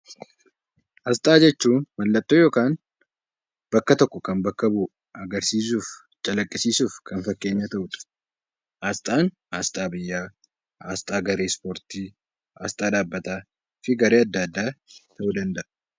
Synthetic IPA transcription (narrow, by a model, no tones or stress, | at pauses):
ʔɐs̬t̪ʼaːd͡ʒɛt͡ʃːuːnmɐlːɐt̪ʼːoːjoːkaːn | b̥ɐkːɐt̪ɔkːɔkɐnbɐkːɐbuː | ɐɡɐɾsiːs̬uːf | t͡ʃʼɐlɐkʼːɪsiːsuːfkʰɐnfɐkːe̞ːɲːat̪ɐʔʊᶑɐ̥ | ʔaːst̪ʼaːn | aːst̪ʼaːbɪjːaː | a̰ːst̪ʼaːɡɐɾe̞ːspoːɾt̪iː | a̰ːst̪ʼaːᶑaːbːɐt̪aː | fɪɡɐɾeːɐd̪ːɐːd̪ːaːt̪ʰɐʔud̪ɐnd̪ɐʔɐ